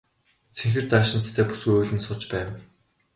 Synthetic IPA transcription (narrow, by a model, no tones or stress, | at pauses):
t͡sʰeŋxɘ̆r̥t̪aːʃɪ̆nt̪t̪ʰːæːpu̥sɡujʊːɮʲɘ̆nsʊt͡ɕpæːw